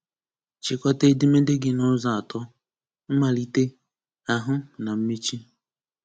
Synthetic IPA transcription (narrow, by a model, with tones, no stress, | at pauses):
t͡ʃɪ˨kɔ˦te˦dɪ˦me˦de˦ɡɪ˦nʊ˦za˨a˨tɔ˦ | m̩˦ma˨li˦te˦ | a˨ɦʊ˦na˨m̩˦mi˦t͡ʃi˦